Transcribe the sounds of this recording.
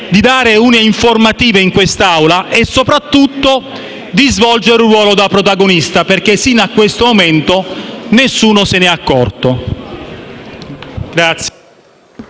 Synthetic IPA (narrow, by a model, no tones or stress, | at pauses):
d̪id̪aːɾeuːneiɱformat̪iːveiŋkwest̪aawlaʔɛsːopɾat̪ːut̪ːo | d̪izvɔld͡ʒeɾrwɔːlod̪apɾot̪aɡonist̪aperk̟esinakːwest̪omoment̪onesːuːnosɪnɛakːɔrt̪o | ɡɾat̪sː